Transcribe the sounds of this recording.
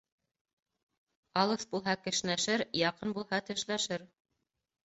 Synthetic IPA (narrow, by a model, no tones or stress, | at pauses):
ɑlˠɤsbulˠɦɑkɘ̆ʃnæʃɘɾjɑqɤnbulˠhɑt̪ɘ̆ʃlæʃɘɾ